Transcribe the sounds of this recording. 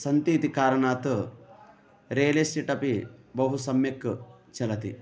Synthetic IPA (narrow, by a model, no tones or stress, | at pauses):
sɐnt̪iːt̪ikaːɾɐɳaːt̪ɨ | ɾeːlisʈiʈɐpibɐɦusɐmjɐkːɨt͡ʃɐlɐt̪ḭ